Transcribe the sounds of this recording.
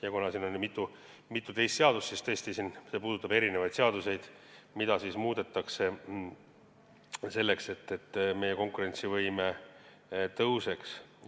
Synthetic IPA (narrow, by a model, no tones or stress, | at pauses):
jɑkonɑsiːnonmit̪ːˑu | mit̪ːˑut̪e̞jst̪seɑd̪̥ussist̪ɤːst̪isinse̞puːd̪̥ut̪ːˑɑbe̞ɾine̞vɑjd̪̥seɑd̪use̞jd̪̥ | mid̪̥ɑsismuːd̪̥e̞t̪ːˑɑkse̞ | se̞lːe̞kse̞t̪ːe̞t̪ːme̞je̞ko̞ŋkuɾe̞nʲt̪sivɤjme | t̪ɤwse̞ks